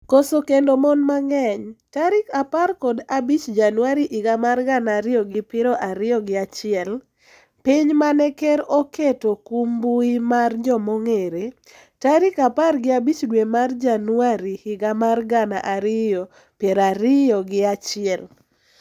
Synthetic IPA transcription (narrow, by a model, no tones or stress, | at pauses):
kosokendomɔnmaŋɛɲtaɾɪkaparkɔdabit͡ʃd͡ʒanwaɾiʔɪɡamarɡanaɾɪjɔɡɪpɪɾɔʔaɾɪjɔɡɪat͡ʃɪɛl | piɲmanɛkɛɾɔketokumbuimard͡ʒɔmoŋeɾe | taɾɪkaparɡɪabit͡ʃdwemard͡ʒanwaɾiɪɡamarɡana̰ʔaɾɪjɔ | pjeɾaɾɪjɔɡɪat͡ʃɪɛl